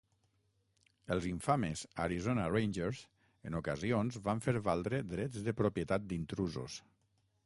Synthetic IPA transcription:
əlˠziɱfameza̰ɾizonarejnʲd͡ʒeɾz | ənukəzionzβaɱfeɾβalˠd̪ɾed̪ɾɛzðəpɾopjət̪at̪̚d̪int̪ɾuzo̰s

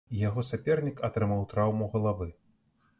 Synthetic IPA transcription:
jaɣɔsʲapʲɛrnʲikat̪ɾɨmawt̪ɾawmuɣɐlˠavɨ

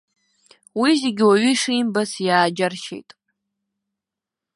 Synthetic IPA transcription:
wizeɡʲɪwaɥiʂiːmbasjaːd͡ʒarʃḛjtʼ

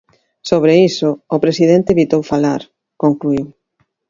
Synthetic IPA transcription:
soβɾeisʊːpɾesið̞ent̪eβit̪owfalaɾ | koŋkluiw

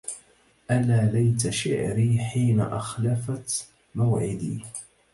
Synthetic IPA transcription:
ʔalaːlajt̪̬aʃɪ̰ʕɾiːħiːna̰ʔaxlafat̪ | mawʕɪd̪ḭː

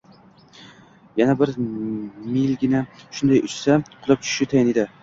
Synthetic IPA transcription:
janabɪɾ | milɡʲɪnaʃʊnd̪ajʊt͡ʃsaqʰʊlˠɪp̚t͡ʃʰʊ̥ʃɪt̪ʰajɪned̪ɪ

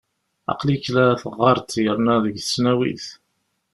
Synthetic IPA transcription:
ɑ̰qliklæθəʁːɑɾˤt̪ːjəɾˤnæðəʝθə̥snæwḭθ

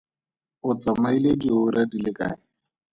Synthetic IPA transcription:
ʊt͡sʼamailekʼiʊɾadilɪkʼa̰ːɪ

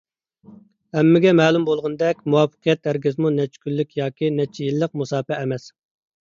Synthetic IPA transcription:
hɛmːɪɡʲɛmɛːlˠumbolˠʁənd̪ɛkʲmuwɑfːə̥qʰijɛt̪̚d̪æɾɡʲɪzmunɛt͡ʃkʲylːykʲjɑːkʲʰinɛt͡ʃʰːjilːəq̚musɑːpɛːmɛs

